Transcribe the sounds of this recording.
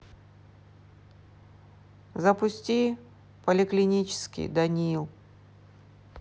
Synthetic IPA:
zɐpʊsʲtʲi | pəlʲɪklʲɪnʲit͡ɕɪ̥skʲḭjd̪ɐnʲilˠ

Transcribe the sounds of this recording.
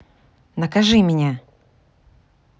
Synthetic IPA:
nəkɐʐɨmʲɪnʲa

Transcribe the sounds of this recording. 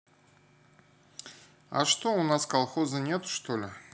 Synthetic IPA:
a̰ʂt̪oʊnaskɑlˠχozənʲe̞t̪ʊ̥ʂt̪olʲɪ

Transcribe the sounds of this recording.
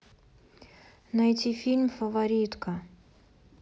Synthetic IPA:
najt̪ʲifʲilʲmʲfəvɐɾʲit̪kə

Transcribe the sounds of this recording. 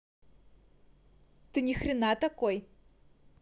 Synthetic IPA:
t̪ɨnʲixrʲɪnat̪ɐkoj

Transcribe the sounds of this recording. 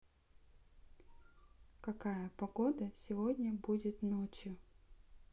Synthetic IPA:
kɐkajəpɐɡod̪əsʲɪvodʲnʲəbudʲɪt̪not͡ɕjʊ

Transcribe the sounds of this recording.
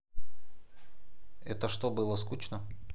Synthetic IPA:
ɛt̪əʂt̪obɨlˠəskut͡ɕnə

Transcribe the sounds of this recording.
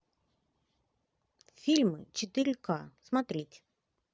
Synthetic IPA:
fʲilʲmɨt͡ʃet̪ɨɾʲkasmat̪ɾʲit̪ʲ

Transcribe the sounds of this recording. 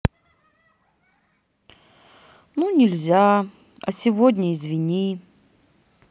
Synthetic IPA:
nunʲɪlʲzʲa | ɐ̰sʲɪvod̪ʲnʲəɪzvʲɪnʲi

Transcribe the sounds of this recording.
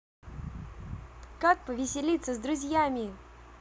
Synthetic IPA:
kak̚pəvʲɪsʲɪlʲit̪səzd̪ɾʊzʲjamʲɪ

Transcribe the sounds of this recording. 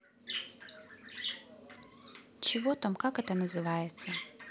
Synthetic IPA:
t͡ʃɔʋɔt̪ɑmkɑkɛt̪ɛnɐzɪʋɑjet͡sʲːɐ

